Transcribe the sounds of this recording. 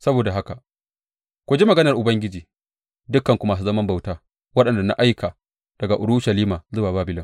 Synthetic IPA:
sɐ˦boː˨da˨ɦa˦ka˨ʔ | kʷu˨d͡ʒi˦mɐ˨ɡɐ˦nɐ˨rʔʊ˨bɐ˦ŋɡʲɪ˦d͡ʒiː˨ | dʊ˦kːɐ˨ŋkʷu˨maː˨s̬uː˦zɐ˦mɐ˦mba˨wtaː˦ | wɐ˦ɗɐ˨nda˨na̰˦ʔa˦jkʰaː˨ | d̥ɐ˨ɡa˨ʔʊ˨ɽʊ˦ʃɐ˨liː˦maː˨zʊ˦waː˨baː˦bɪ˦lɪ˦ŋ

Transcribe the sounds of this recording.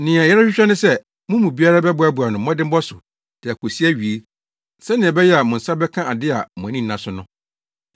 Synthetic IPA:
nɪ̃˨a˨jɛ˦ɾa˦ɕᶣɪ˦ɕᶣɛ˦nʊ̃˦sɛ˦ | mʊ̃˦mũ˨bi˦a˦ɾa˦bɛ˦bʊ˨a˦bu˨a˨nʊ̃˨˦m˦ɔ̃˦dɪ̃˦m̩˦bɔ˦sʊ˨ | d̥i˨a˨kʰo˨si˦æ˦ɥi˨e˦ | sɛ̃˦nɪ̃˨ɛ̃˨bɛ˦jɛ˦a˨mʊ̃˨n̩˨sa˦bɛ˦kʰã˦ʔa˨dɪ˦a˨mʊ̃˨nĩ˦n̩˦nã˨sʊ˦nʊ̃˦

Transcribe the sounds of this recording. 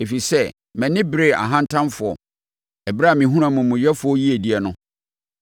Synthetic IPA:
e˨fi˨sɛ˦ | mɛ̃˨nɪ̃˦bɪ˦ɾe˦˨a̰˨ɦã˦ntʰã˦nfʊ˨ɔ̰˨ | ɛ˨bɾa˦˨mɪ̃˨ɦũ˦ɾ̃ã˦mʊ̃˨mʊ̃˨jɛ˦fʊ˨ɔ˦ji˦e˨di˦ɛ˨nʊ̃˦

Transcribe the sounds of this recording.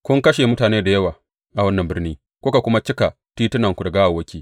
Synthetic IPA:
kʷʊ˦ŋkɐ˦ʃe˨mʊ˦taː˨neː˦da˨jɐ˦waː˨ | ʔa˨wɐ˦nːɐ˨mbɪ˦rniː˦ | kʷʊ˦ka˨kʷʊ˦ma˦t͡ʃɪ˦ka˨ | tiː˦tɪ˦nɐ˨ŋkʷu˨da˨ɡaː˦wa˨wɐ˦kʲiː˦˨

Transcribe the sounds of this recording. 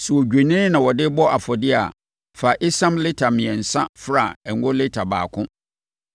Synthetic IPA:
sɛ˨wɔ˨d͡ʑᶣe˨nɪ̃˦nã˨wɔ˨dɪ˦bɔ˦a˨fɔ˨dɪ˦a̰˨ | fa˨ʔɪ˦sã˦mlɪ˦tʰa˨mɪ̃˨ɛ̃˨n̩˨sã˦fɾa˦˨ɛ˨ŋ˦ɡʊ˦lɪ˦tʰa˨ba̰ː˨kʰʊ̃˦

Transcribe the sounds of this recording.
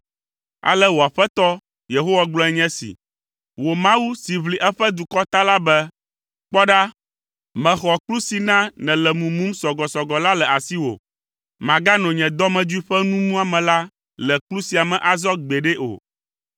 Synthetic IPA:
a̰˨lɛ˦wo˨a˨ɸɛ˦t̪ɔ˦ | je˨ɦo˦wa˦ɡ͡blɔ̃˦ɛ˦ɲɛ̃˦sḭ˨ | wo˨mã˦wu˦si˨βli˨ʔɛ˦ɸɛ˦d̪u˨kɔ˦t̪a˦la˦bɛ˦ | k͡pɔ˦ɖa˦ | mɛ̃˨xɔ˨klu˦si˨nã˦nɛ̃˨lɛ˨mũ˨mũ˦msɔ˨ɡɔ˨sɔ˨ɡɔ˨la˦lɛ˨a˨si˦wo̰˨ | mã˨ɡa˦nɔ̃˨ɲɛ̃˨d̪ɔ˦mɛ̃˨d͡ʒu˦i˦ɸɛ˦nũ˦mũ˦a˨mɛ̃˨la˦ | lɛ˨klu˦si˨a˨mɛ̃˨ʔa˨zɔ˦ɡ͡bɛ˨ɖɛ˦ʔo̰˨

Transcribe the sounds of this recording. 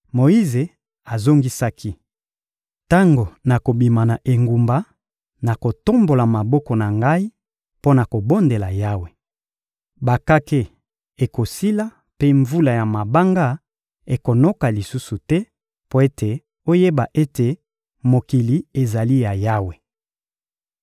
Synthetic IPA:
mo˨i˦ze˨ | a˨zo˦ŋɡi˦sa˦kʰi˦ | ta˦ŋɡo˨na˨ko˨bi˨ma˨na˨ʔe˨ŋɡu˨mba˦ | na˨ko˨to˦mbo˨la˨ma˨bɔ˦kɔ˨na˨ŋɡa˦i˦ | po˦na˨ko˨bo˦nde˨la˨ja˦we˨ | ba˨ka˦ke˦ | e˨ko˨si˦la˦ | pe˦ɱvu˦la˨ja˨ma˨ba˦ŋɡa˦ | e˨ko˨no˦ka˨li˨su˦su˨tɛ˦ | po˦e˦te˨ | o˦je˦ba˨ʔe˦te˨ | mo˨ki˨li˨e˨za˨li˦ja˨ja˦we˨

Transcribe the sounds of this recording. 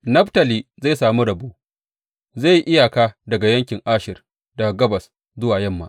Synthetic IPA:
nɐ˦ɸtɐ˨liː˨za˦˨saː˨mu˦ɽɐ˨buː˦ʔ | za˦˨ji˨ʔɪ˦ja˨kaː˦dɐ˨ɡa˨jɐ˦ŋkʲɪ˨ŋʔaː˦ʃɪ˨r | da˨ɡɐ˦bɐ˨s | zʊ˦waː˨jɐ˦mːa̰˨

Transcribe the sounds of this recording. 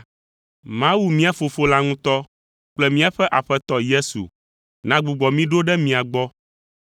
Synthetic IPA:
mã˦wu˨mĩ˦a˨fo˨fo˦la˦ŋũ˦t̪ɔ˦ | k͡plɛ˦mĩ˦a˦ɸɛ˦ʔa˨ɸɛ˦t̪ɔ˦je˦sṵ˨ | nã˦ɡ͡bu˨ɡ͡bɔ˨mĩ˦ɖo˦ɖɛ˦mĩ˨a˨ɡ͡bɔ˦

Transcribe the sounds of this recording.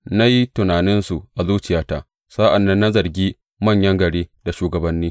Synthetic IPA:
na˦ji˦tʊ˨naː˨nɪ˦nsu˨ʔa˨zuː˦t͡ʃɪ˨jaː˦taː˦ | sa˦ʔa˨nːɐ˦nːa˦zɐ˨rɡʲiː˦ | mɐ˦˨ɲjɐ˦ŋɡɐ˨ɽeː˦da˨ʃuː˨ɡɐ˨bɐ˦nːiː˦

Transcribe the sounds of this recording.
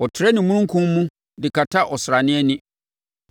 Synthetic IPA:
ɔ˨tʰɪ˨ɾɛ˦nɪ̃˨mũ˦ɾũ˦ŋ˦kʰʊ̃˦m˦mũ˦ | dɪ˨kʰa˨tʰa˦ʔɔ˨sɪ˨ɾa˨nɪ̃˦ɛ˦nɪ̃˦

